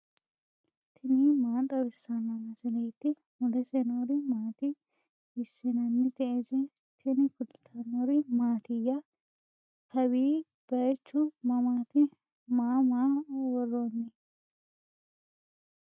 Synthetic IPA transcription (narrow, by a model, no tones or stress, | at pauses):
t̪ʰɪnimaːt̪ʼɐɾɪsanɐnɐsɛleːt̪ːɪ | mʊd̪ɛsɛnoːɾɪmaːt̪ɪː | sːɪnɐnːɪt̪ɛʔezɛ | t̪ʰɪnɪkʊd̪t̪ʰːɐnoɾɪmaːt̪ɪjːɐ | kʰɐwiː | b̥ɐjt͡ʃːʊmɐmaːt̪ɪ | maːmaːwɔrːoːnːɪ